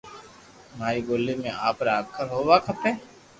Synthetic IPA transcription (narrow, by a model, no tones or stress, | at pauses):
maːɾiɡoːlːimẽaːpɾaːɡ̚kʰəɾɦoːʋaːkʰɐpeː